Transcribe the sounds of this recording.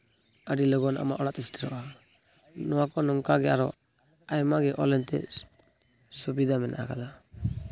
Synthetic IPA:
əɖilɔɡɔna̰ma̰ʔɔɽat̪ɛsʈiɾɔʔa | nɔwakɔnɔŋkaɡɛaɾɔ | ajmaɡɛʔɔ̰lɛnt̪ɛ̰ | subid̪amɛnʔa̰ʔakad̪a

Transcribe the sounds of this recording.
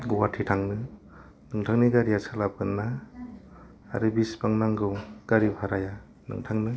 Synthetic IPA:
ɡuwatʰitʰaŋnɯ | nɯŋtʰaŋniɡaɾiasʰalapɯnːa | ɾɯbispaŋnaŋɡɯɡ̥aɾipʰaɾaja | nɯ̰ŋtʰaŋnɯ

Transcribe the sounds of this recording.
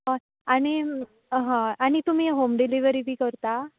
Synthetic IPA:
ɦã | aɽ̃i | ɦãaɽ̃it̪um̤iːɦomɖiliʋəɾibʱiːkəɾt̪a

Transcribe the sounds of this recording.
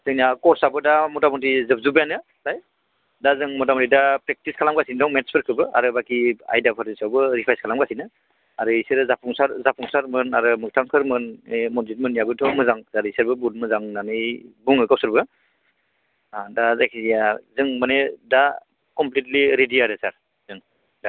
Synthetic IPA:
zɯŋniakɔɾsabɯdamɔtamɔtizɯb̚zubjanɯ | laj | dazɯŋmɔtamɔtidapɾek̚tiskʰalamɡasindɔŋmetspʰɯɾkʰɯɾbɯa̰ɾɯbakia̰jdapʰaɾisawbɯɾipʰajskʰalamɡasinɯ | aɾɯiseɾzapʰuŋsaɾzapʰuŋsaɾmɯna̰ɾɯmɯk̚tʰaŋkʰɯɾmɯnmɔnzit̚mɯnjabɯtʰɔmɯzaŋsaɾiseɾbɯbut̚mɯzaŋnanɯjbuŋɯkawsɯɾbɯ | dazajkʰizijazɯŋmaneda | kɔmplit̬liɾidiaɾɯsaɾ | zɯŋ | da

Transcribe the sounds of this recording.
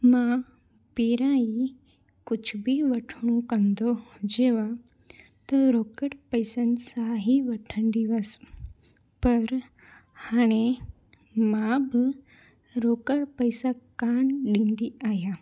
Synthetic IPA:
mã | piɾãi | kʊt͡ʃʰbʱiʋəʈʰɽ̃ũkənd̪od͡ʒeːʋa | t̪əɾokəɽpəjsənsaɦiʋɐʈʰənd̪iʋəs | pəɾ | haːɽ̃e | mãb | ɾoːkəɽpəjsakaɳɖĩːnd̪iaːɦja

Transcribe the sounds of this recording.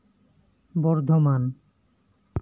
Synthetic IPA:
bɔɾd̪ʱoman

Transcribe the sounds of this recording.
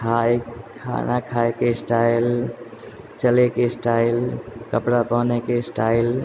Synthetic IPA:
kʰajkʰa̰nakʰaekesʈaɪl | t͡ʃəlekesʈailkəpɽapənekesʈaɪl

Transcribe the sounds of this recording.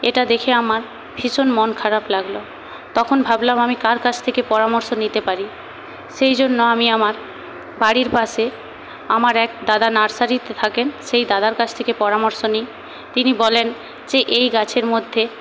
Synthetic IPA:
eʈad̪ekʰeamaɾ | bʱiʃonmonkʰaɾablaɡlo | t̪ɔkʰonbʱablamamikaɾkat͡ɕʰt̪ʰekepɔɾamoɾʃonit̪epaɾi | ʃejd͡ʑonːoamiamaɾ | baɽiɾpaʃe | amaɾɛk̚d̪ad̪anaɾsaɾit̪et̪ʰakenʃejd̪ad̪aɾkat͡ɕʰt̪ʰekepɔɾamoɾʃonij | t̪inibɔlen | d͡ʑeʔejɡat͡ɕʰeɾmod̪ʱːe

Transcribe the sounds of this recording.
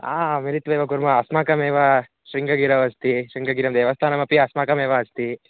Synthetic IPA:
a̰ːmiɾit̪ʋeːʋɐkuɾmɐːsmaːkɐmeːʋɐ | ʃɾiŋɡɐɡiːɾɐʋɐst̪iʃɾiŋɡɐɡiːɾɐmd̪ɛʋɐst̪ʰaːnɐmɐpiɐsmaːkɐmeːʋɐɐst̪i

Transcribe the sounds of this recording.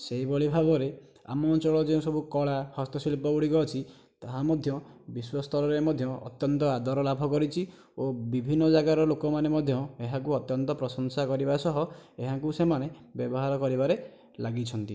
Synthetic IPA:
seibɔɭibʱabɔɾe | a̰mɔnt͡ʃɔɭɔd͡ʒeũsɔbukɔɭahɔst̪ɔsilpɔɡuɽiɡɔt͡ʃʰi | t̪aɦamɔd̪ʱjɔbiswast̪ʰɔlɔɾemɔd̪ʱjɔɔ̰t̪jɔnt̪ɔad̪ɔɾɔlabʱɔkɔɾit͡ʃʰi | obibʱinːɔd͡ʒaɡaɾɔlokɔmanemɔd̪ʱjɔeɦakuɔt̪jɔnt̪ɔpɾɔsɔŋsakɔɾibasɔɦɔeɦãkusemanebjɔbɔɦaɾɔkɔɾibaɾe | laɡit͡ʃʰɔnt̪i

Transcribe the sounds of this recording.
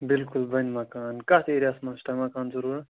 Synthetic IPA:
bilkulbɐnmɐkaːnkɐt̪ʰeɾʲijasmɐst̪amɐkaːnzuɾuːɾ

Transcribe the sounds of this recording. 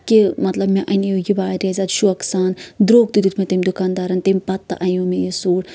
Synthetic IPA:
kimɐt̪lɐbmeʔɐnijojibaːɾʲezaːt̪ʃuɐksaːnd̪ɾoːɡ̚d̪id̪ut̪ʰmet̪emʲid̪ukaːnd̪aːɾɐnt̪emʲipɐt̪ːɐ̰ʔɐjõːmejisuːɽ

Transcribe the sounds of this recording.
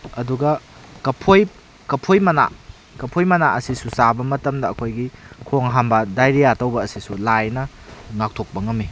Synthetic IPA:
ɐduɡɐkɐpʰoj | kɐpʰojmɐna̰ | kɐpʰojmɐnaʔɐsisusabɐmɐtɐmdɐːkʰojɡikʰoŋɦambɐdajɾijatɐwbɐːsisulajnɐ | ŋak̚tʰok̚bɐŋɐmi

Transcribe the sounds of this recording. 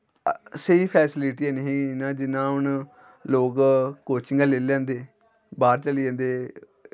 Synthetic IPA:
seiːpʰɛːsɪlɪʈiaːnəɦĩːnãːd͡ʒɪnãːɦʊn | loːkkoːt͡ʃɪŋɡãːleːljãːnd̪eː | baːɾt͡ʃəlijãːnd̪eː

